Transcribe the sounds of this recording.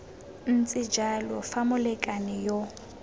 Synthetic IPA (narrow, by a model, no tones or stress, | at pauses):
n̩t͡sʼɪd͡ʒalɔfamʊlɛkʼanɪjo